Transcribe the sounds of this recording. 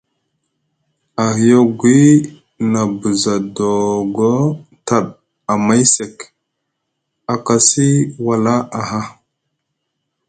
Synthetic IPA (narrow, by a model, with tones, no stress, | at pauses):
a˨ɦi˨jo˦ɡʷi˦ | na˨bu˨za˨do˨ɡo˦ta˨ɗ | a˨ma˦jse˨k | a˨ka˨si˦wa˨la˦a˨ɦa˦